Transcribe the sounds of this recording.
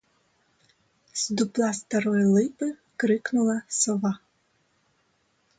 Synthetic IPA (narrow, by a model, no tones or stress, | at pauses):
z̥d̪ʊplˠɑst̪ɐɾɔjʊlˠɪpɪ | kɾɪknʊlˠɐsɔʋɑ